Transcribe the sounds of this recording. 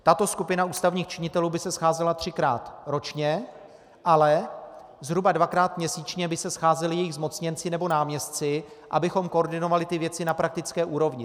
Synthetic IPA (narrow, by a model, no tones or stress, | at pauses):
t̪at̪o̞skupɪnauːst̪avɲiːxt͡ʃɪɲɪt̪ɛluːbɪsɛsxaːzɛlat̪r̝̥ɪkɾa̰ːt̪ɾo̞t͡ʃɲɛ | ʔalɛ | zɦɾubadvakɾaːt̪mɲɛsiːt͡ʃɲɛbɪsɛsxaːzɛlɪjɛjɪɣzmo̞t͡sɲɛnt͡sɪnɛbo̞naːmɲɛst̪t͡sɪ | ʔa̰bɪxo̞mkooɾdɪno̞valɪt̪ɪvjɛt͡sɪnapɾak̚t̪ɪt͡skɛːʔuːɾo̞vɲɪ